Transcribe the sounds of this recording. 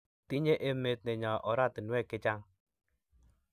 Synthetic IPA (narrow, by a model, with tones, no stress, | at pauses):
ti˦ɲe˦ʔe˦me˨tne˨ɲɔ˨ʔɔ˨ɾa˦˨tɪ˨nwɛ˦˨kɪ˦t͡ʃa˦ŋ